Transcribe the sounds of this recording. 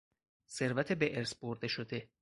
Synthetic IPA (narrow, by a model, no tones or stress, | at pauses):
se̞ɾvæt̪ʰebeʔeɾsboɾd̪e̞ʃod̪e̞